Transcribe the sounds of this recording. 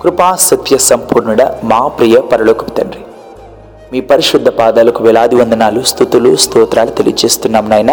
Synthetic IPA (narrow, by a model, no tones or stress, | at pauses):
kɾupaːsɐt̪ʋjɐsɐmpuːɾnuɽɐmaːpɾijɐpɐɾɐlɔːkɐpi̥t̪ɐɳɾi | miːpɐɾiʃud̪ʱːɐpaːd̪aːlɐkuʋɛlaːd̪iʋɐnd̪ɐnaːlust̪ut̪ulust̪ɔːt̪ɾaːlut̪elḭɐt͡ʃeːst̪unːaːmɐnaːjnɐ